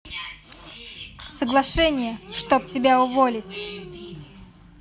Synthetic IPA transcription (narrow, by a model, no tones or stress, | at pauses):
səɡlˠɐʂɛnʲɪjəʂt̪op̚tʲɪbʲaʊvolʲɪtʲ